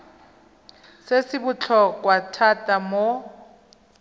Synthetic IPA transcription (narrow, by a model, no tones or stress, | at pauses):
sesɪbʊt͡ɬʰɔk̬ʼwatʰatʼamo